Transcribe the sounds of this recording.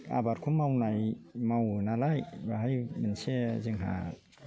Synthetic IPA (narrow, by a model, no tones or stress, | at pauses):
a̰baɾkʰumːawnajmawnalajbaɦajmɯnsezɯŋɦa̰t̚